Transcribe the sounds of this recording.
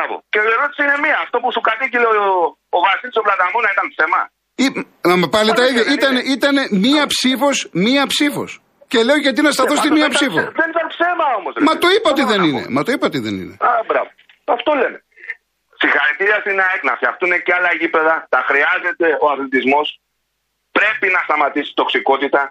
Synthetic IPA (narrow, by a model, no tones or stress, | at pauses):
bɐvo̰ceieɾo̞t̪i̥siine̞miɐːft̪o̞pusukɐt̪icileo | ovɐsilisoplɐt̪ɐmonɐit̪ɐnpse̞mɐ̰ | i | ɐmɐpɐlit̪ɐiðʝɐʔit̪ɐneʔit̪ɐnemiɐpsifo̞smiɐpsifo̞̰s | ce̞le̞oʝɐt̪̬inɐst̪ɐθo̞st̪imiɐpsifo̰ðenit̪ɐnpsemɐomozmɐt̪oipɐot̪iðeninḛmɐt̪oipɐot̪iðḛnḭnḛabɾɐvo | ɐft̪o̞le̞ne | sixɐɾit̪iɾiɐsinɐeknɐfçɐxt̪uneceɐlɐʝipe̞ðɐt̪ɐxɾiɐze̞t̪e̞o̞ɐθlit̪izmo̞s | pɾe̞pinɐst̪ɐmɐt̪isi̥t̪oksiko̞t̪it̪ɐ